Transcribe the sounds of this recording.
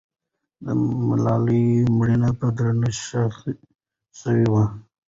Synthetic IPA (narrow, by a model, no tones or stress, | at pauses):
d̪ə̰mɪlɑlimɽinapad̪ɾanəʃa | səwiwa